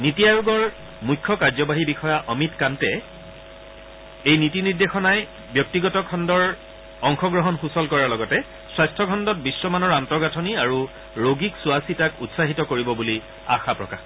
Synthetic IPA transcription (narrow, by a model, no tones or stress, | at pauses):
nitijaɹuɡɔɹ | mujkʰːɔkaɹzɔbaɦibixɔjaʔɔmitkantɛ | ejnitiniɹdexɔnaj | bjɔk̚tiɡɔtɔkʰɔndɔɹ | ɔŋxɔɡɹɔɦɔnxusɔlkɔɹaɹlɔɡɔtɛ | swajstʰɔkʰɔndɔt̚bisːɔmanɔɹantɔɡatʰɔniaɹu | ɹoɡiksuasitakutsaɦitɔkoɹibɔbuli | axapɹɔkax